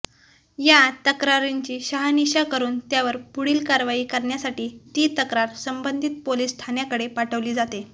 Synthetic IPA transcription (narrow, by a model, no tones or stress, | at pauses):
jat̪əkɾaɾiɲt͡ɕiːɕaɦaniɕakəɾuːnt̪jaʋəɾpuɽiːlkaɾʋaiːkəɾɳjasaʈiːt̪it̪əkɾaɾsəmbənd̪ʱit̪̚poliːsːt̪ʰanjakəɽepaʈʰəʋliːd͡zat̪e